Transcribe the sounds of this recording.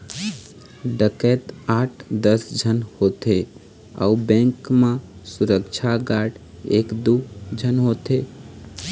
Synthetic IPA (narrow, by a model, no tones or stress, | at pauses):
ɖəkɛːt̪aːʈʰd̪əsd͡ʒʱənhoːt̪e | ɔ̰ubɛ̃ːŋkmẽsuɾəkt͡ʃʰaɡaːɖ | eːkd̪ud͡ʒʱənɦoːt̪e